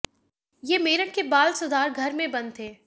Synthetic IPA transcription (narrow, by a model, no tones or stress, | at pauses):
jeːmeːɾəʈ̚kebaːlsʊd̪aːɾɡʱɐɾmẽbɐnt̪ʰeː